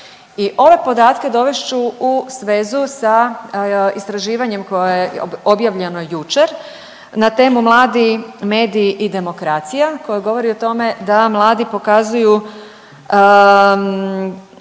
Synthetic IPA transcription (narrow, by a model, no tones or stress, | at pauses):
iʔo̞ʋe̞po̞d̪aːt̪ke̞d̪o̞ʋe̞ʃt͡ʃuusʋe̞zusa | ist̪ɾaʒiːʋaɲe̞mko̞jajeobjaʋʎe̞nojut͡ʃe̞ɾ | nat̪e̞ːmumlˠaːd̪ime̞ːd̪iːʔid̪e̞mo̞kɾat̪sijako̞jeɡo̞ʋo̞ɾiot̪o̞me̞d̪amlˠaːd̪ipo̞kazuju